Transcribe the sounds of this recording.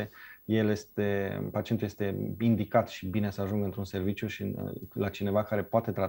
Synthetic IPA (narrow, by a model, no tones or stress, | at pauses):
ejelje̞st̪epat͡ʃient̪ujest̪e̞ind̪ikat̪ʃibine̞səaʒuŋɡəɨnt̪ɾunse̞rvit͡ʃjuʃilat͡ʃine̞vakaɾe̞poat̪e̞t̪ɾa